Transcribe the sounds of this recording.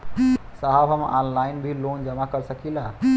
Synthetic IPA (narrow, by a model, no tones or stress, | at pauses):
saɦəbɦəmanlainbʱilond͡ʒəmakəɾsəkila